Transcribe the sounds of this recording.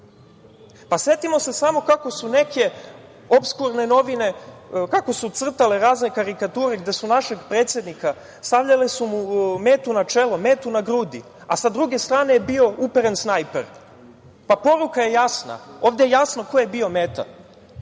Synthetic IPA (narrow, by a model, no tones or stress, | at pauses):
pase̞t̪imo̞se̞samo̞kako̞sune̞ke̞ | o̞pskuɾne̞no̞ʋine̞kako̞sut̪sr̩t̪aleɾaːzne̞kaɾikat̪uːɾe̞ɡd̪e̞sunaʃe̞ɡpɾet̪sjed̪nika | st̪aʋʎalesumumeːt̪unat͡ʃelomeːt̪unaɡɾud̪i | asad̪ɾuɡe̞st̪ɾaːnejebio̞ʔupeɾensnajpḛɾ | papo̞ɾukaje̞jasna̰o̞ːvd̪ejejasnoko̞je̞bio̞meːt̪a̰